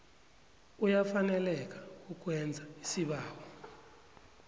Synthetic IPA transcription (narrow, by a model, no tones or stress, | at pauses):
ujafanɛlɛk̬ʼḁuk̬ʼwɛnd͡zʱaisiɓaːwɔ